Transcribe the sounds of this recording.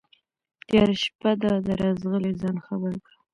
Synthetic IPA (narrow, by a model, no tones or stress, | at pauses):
t̪jɑɾʃpad̪ad̪əɾɑzɣəlezɑnxabəɾkɽə